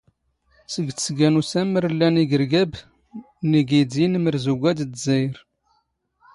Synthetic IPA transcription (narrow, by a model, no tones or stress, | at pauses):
səɡt͡sə̥sɡænusæməɾəlːæniɡəɾɡæb | niɡidinməɾzuɡʷæd̪d̪zəjɾ